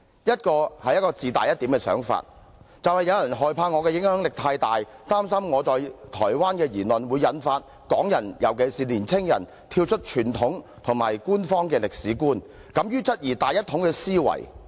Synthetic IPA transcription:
jɐ˥t̚kɔː˧hɐ˨jɐ˥t̚kɔː˧t͡siː˨t̪a̰ː˨jɐ˥t̚t̪iː˨˥mkɛː˧sœ̰ː˨˥ŋfa̰ː˧t̚ | t͡sɐ˨whɐ˨jɐ˨˧wjɐ˨˩nɦɔː˨jpʰaː˧ŋɔː˨˧kɛː˧jɪ˨˥ŋhœː˨˥ŋlɪ˨k̚t̪ʰaː˧jt̪aː˨jt̪aː˥msɐ˥mŋɔː˨˧t͡sɔː˨jt̪ʰɔ̰ː˨˩jwaː˥nkɛː˧jiː˨˩nlɵ˨nwuː˨˧jːɐ˨˥nfaː˧t̚ | kɔː˨˥ŋjɐ˨˩njɐ˨˩wke˨jsiː˨liː˨˩nt͡sʰɪ˥ŋjɐ̰˨˩n | t̪ʰiː˧wt͡ʃʰɵ˥t̚t͡ʃʰyː˨˩nt̪ʰʊ˨˥ŋt̪ʰʊ˨˩ŋmaː˨jkuː˥nfɔː˥ŋkɛː˧lɪ˨k̚siː˨˥kuː˥n | kɐ˨˧˥mjyː˥t͡sɐ˥t̚jiː˨˩t̪aː˨jɐ˥t̪̚ʰʊ˨˥ŋkɛː˧siː˥wɐ̰˨˩j

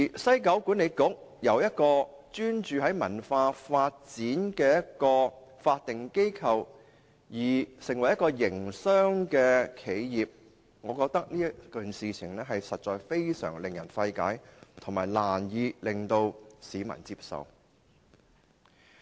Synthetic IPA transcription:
i˨˩sɐ˥jkɐ˨˥wkuː˨˥ne˨˧jkʊ˨˥k̚jɐ˨˧wjɐ˥t̚kɔː˧t͡ʃyː˥nt͡ʃyː˨ɦɐ˨˥jmɐ˨˩nfaː˧faː˧t̚t͡siː˨˥nkɛː˧jɐ˥t̚kɔː˧faː˧t̚t̪ɪ˨ŋke˥jkʰɐ˨w | jiː˨˩sɪ˨˩ŋwɐ˨˩jɐ˥kɔː˧jɪ˨˩ŋsœː˥ŋkɛː˧kʰe˨˥jjiː˨p̚ | ŋɔː˨˧kɔː˧k̚t̪ɐ˥k̚niː˥jɐ˥kɵ˨nsiː˨t͡sʰɪ˨˩ŋlɛː˥ɦɐ˨jsɐ˨t̚t͡ʃɔː˨jfe˥jsœ̰ː˨˩ŋlɪ˨˩ŋjɐ̰˨˩nfɐ˧jka̰ː˨˥jt̪ʰʊ˨˩ŋmaː˨˩jlaː˨˩njiː˨˧lɪ˨ŋt̪o˧wsiː˨˥mɐ̰˨˩nt͡siː˧p̚sɐ̰˨w

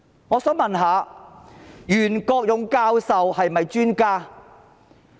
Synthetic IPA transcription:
ŋɔː˨˧sœː˨˥ŋmɐ˨nɦaː˨˧ | jyː˨˩nkɔː˧k̚jʊ˨˧ŋkaː˧wsɐ˨whɐ˨jmɐ˨jt͡ʃyː˥nkaː˥

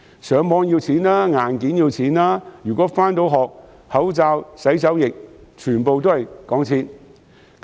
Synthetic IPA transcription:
sœː˨˧ŋmɔː˨˧ŋjiː˧wt͡sʰiː˨˥nlaː˥ŋaː˨˩nkiː˨˥njiː˧wt͡sʰiː˨˥naː˥jyː˨˩kɔː˨˥faː˥nt̪o˨˥wɦɔː˨k̚ | hɐ˨˥wt͡saː˧wsɐ˨˥jt͡sɐ˨˥wjɪ˨k̚t͡ʃʰyː˨˩npo˨wt̪o˥hɐ˨jkɔː˨˥ŋt͡sʰiː˨˥n

